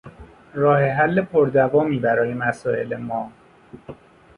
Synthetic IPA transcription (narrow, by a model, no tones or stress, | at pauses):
ɾɒːhe̞ɦælːepʰoɾd̪ævɒːmiːbæɾɒːjemæsɒːe̞̰lemɒː